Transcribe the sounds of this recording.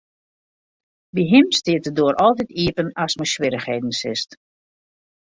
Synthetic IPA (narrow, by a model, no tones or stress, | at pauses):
ʋiɦɪmstɪətədoəɾʔɔlˠtɛtʰiəpənasməswɪɾəxheːdn̩sɪst